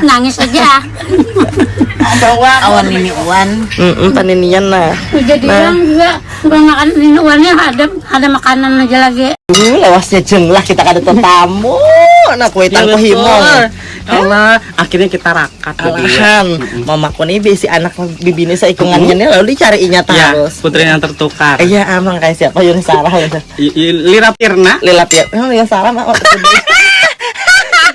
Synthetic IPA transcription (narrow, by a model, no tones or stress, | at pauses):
naŋɪsad͡ʒa | pauawaniniuanm̩ʔm̩paninianːaid͡ʒadinaaŋd͡ʒuɡaʔ | ɡuamakananiniuanaɦadap̚hadamakananad͡ʒalaɡiulewasɲad͡ʒəŋlahkit̪akadat̪ət̪amɔnahkuet̪ankɔɦimɔŋ | alaʔakɪrɲakit̪aɾakat̪ulaanmamakɔnibesiʔanak̚abibinisaikuŋanɲanalaludit͡ʃaɾiːɲat̪ajaɾʊsput̪ɾinaŋt̪ərt̪ukarijaʔamaŋkajasiap̪ajunisaɾaɦlsaliɾapirnalilapirjaŋsaɾahmaaud